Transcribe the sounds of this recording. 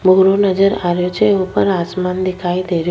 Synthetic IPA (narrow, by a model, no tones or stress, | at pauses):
bʱuɾonəd͡ʒəɾaɾjot͡ʃʰeeupəɾasmand̪ikʰaid̪eɾj